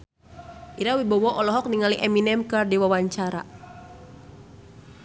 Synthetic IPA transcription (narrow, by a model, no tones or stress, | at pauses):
ʔiɾawibɔwɔʔɔlɔɦɔk̚niŋaliʔɛminɛmkɨrdiwawaɲt͡ʃaɾa̰